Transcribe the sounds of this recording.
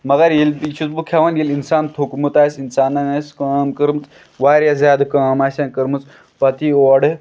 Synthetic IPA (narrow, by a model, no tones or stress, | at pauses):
mɐɡɐɾjilpit͡ʃʰut̪bukʰʲaʋɐnjilinsaːnt̪ʰokmut̪aːsinsaːnːɐnaskaːmkəɾmɨt͡s | ʋaːɾʲjazʲjaːd̪kaːmaːsankɐɾmɨt͡s | pɐt̪ioːɖ